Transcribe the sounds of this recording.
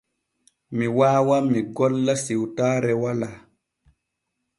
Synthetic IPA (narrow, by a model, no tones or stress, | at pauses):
miwaːwamiɡɔlːasiwtaːɾɛwala